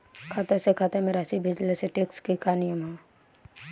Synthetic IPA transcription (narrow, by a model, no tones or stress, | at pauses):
kʰaːt̪asekʰat̪amẽɾasibʱɪd͡ʒleseʈeːkskikaːnijəmɦɛ̃